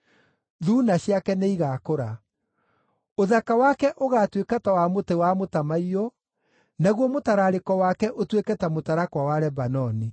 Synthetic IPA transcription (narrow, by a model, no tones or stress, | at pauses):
ðuːnaɕjakɛneiɣaːkoɾa | oðakawakɛʔoɣatwekatawamotewamotamaiɔ | naɣwɔmotaɾaɾekɔwakɛʔotwekɛtamotaɾakwawaɾɛbanɔni